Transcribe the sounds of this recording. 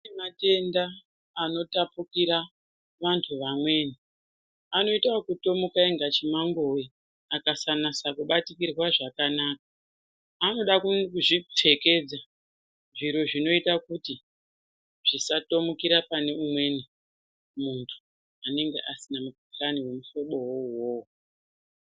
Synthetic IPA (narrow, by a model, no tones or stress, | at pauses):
mate̞ndaː | no̞tapukiɾa | ʋantʰuʋamwe̞ːni | ano̞itawokuto̞mukaeŋɡat͡ʃimaŋɡo̞ji | akasanasakuɓatikirwaʐakanaːkaː | no̞ɗakuʐitʰe̞ke̞d͡za | ʐiɾoʐino̞itakuti | ʐ̥isato̞mukiɾapane̞umwe̞ni | muntʰu̥ | ane̞ŋɡe̞̰ʔasinamuk̚uɬaniwe̞muʃo̞ɓo̞wowoo